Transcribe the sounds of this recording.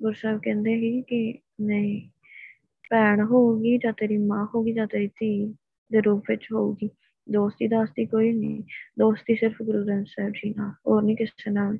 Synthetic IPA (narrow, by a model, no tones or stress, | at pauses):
ɡʊɾsɛːbkɛ̃ːnd̪eːɦiːkɪ | nəĩː | pɛːɳɦoːuɡiːd͡ʒaːt̪eːɾiːmãːɦoːɡiːd͡ʒaːt̪eːɾiːt̪iː | d̪eːɾuːpʰʋɪt͡ʃɦoːuːɡiː | d̪oːst̪iːd̪aːst̪iːkoːiːnḭ̃ːd̪oːst̪iːsɪɾpʰɡʊɾuːɾənsɛːbd͡ʒiːnaːlɦoːɾnĩːkɪseːnaːl